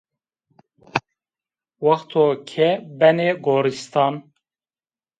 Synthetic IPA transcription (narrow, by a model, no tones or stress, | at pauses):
wɑxt̪ʰoːkʰɛbɛneɡoːɾist̪ɑːn